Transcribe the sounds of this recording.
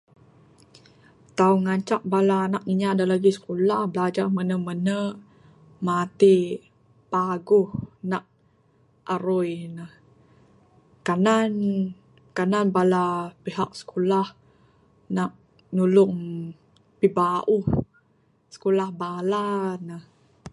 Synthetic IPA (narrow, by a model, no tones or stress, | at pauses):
t̪auŋaɲt͡ʃaʔ̚balaːnak̚ŋiɲadalaɡisə̥kulahbəlad͡ʒarmənəmənə | mat̪i | paɡʊhnaʔ̚ | ʔaɾʊjnəh | kanan | kananbalapiɦak̚sə̥kulah | naʔ̚ | nulʊŋ | pibaʔu | sə̥kulahbalanəh